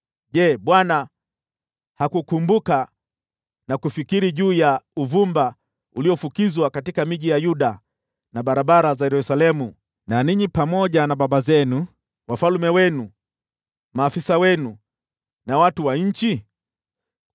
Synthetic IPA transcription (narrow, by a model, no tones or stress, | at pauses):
ʄɛɓwana | hakukumbuka | nakufikiɾiʄuːjauvumba | uliɔfukizwakatikamiʄijajuɗa | naɓaɾaɓaɾazajɛɾusalɛmu | naniɲipamɔʄanaɓaɓazɛnu | wafalmɛwɛnu | maːfisawɛnu | nawatuwaɲ̩t͡ʃi